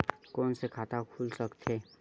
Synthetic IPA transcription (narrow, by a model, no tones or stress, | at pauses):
kɔːnsekʰaːt̪akʰulsəkt̪ʰeː